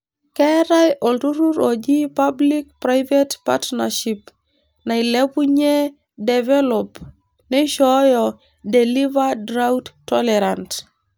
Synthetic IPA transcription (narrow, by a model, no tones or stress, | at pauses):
kɛɾajʔoltuɾuɾod͡ʒipablik̚pɾajvetpa̰tnaʃip | nailepuɲe | devɛlɔp | neʃɔjɔ | delivadɾauttːɔlɛɾant